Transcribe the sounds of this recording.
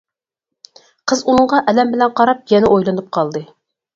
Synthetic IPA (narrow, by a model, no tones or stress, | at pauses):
qʰəzunɤɴʁɑʔɛlɛmbɪlɛnqɑɾɑp̚jɛnɪʔojlˠɑnɨp̚qʰɑlˠd̪ɨ